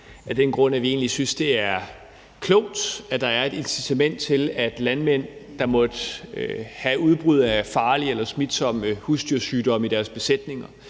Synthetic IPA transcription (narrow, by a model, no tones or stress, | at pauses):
æd̥enɡ̥ʁɔ̽n̰æʋie̝̰ːn̩lisynsd̥e̝æɐ | kʰlɔʊd̥æd̥ɑ̈æɐe̝d̥e̝nsit͡sʰæmen̰d̥̚t͡sʰe̝læd̥lænmen̰d̥ɑ̈mɒ̽d̥ | hæuð̞ˠb̥ʁyð̞̰ˠæfɑ̈ːlielɐsmid̥sɒ̽m̰husd̥yɐsyːd̥ɒ̽m̰id̥æɐsb̥e̝sed̥ne̝ŋɐ